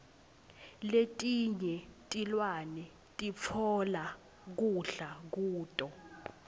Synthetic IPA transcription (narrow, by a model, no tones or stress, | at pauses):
letʼiɲɛtʼilwanɛ | tʼip̪fʰɔla | k̬uɬak̬uːtʼɔ